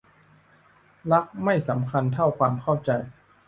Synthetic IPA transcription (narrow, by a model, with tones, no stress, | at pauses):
la˦˥k̚ma˥˩jsa˩˦mkʰa˧nt̪ʰa˥˩wkʰwaː˧mkʰa˥˩wt͡ɕa˧j